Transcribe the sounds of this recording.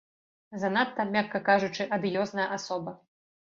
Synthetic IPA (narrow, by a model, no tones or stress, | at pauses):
zɐnat̪ːɐmʲakːɐkaʐut͡ʂɨʔɐd̪ɨjɔznɐjɐʔasɔbɐ